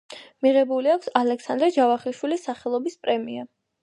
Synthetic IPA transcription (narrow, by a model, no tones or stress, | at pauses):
miʁɛbuliakʷʰsalɛksand̪ɾɛd͡ʒavaχilʃwilisːaχɛlˠɔbispʼɾɛmia